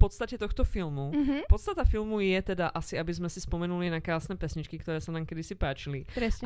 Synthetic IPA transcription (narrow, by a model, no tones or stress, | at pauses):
pɔt̪st̪acɛt̪ɔxt̪ɔfilmuɦpɔt̪st̪at̪afilmujɛt̪ɛd̪aʔasiabizmɛsispɔmɛnulinakɾaːsnɛːpɛsɲit͡ʃkikt̪ɔɾɛːsanaːmkɛd̪isipaːt͡ʃiliɾɛ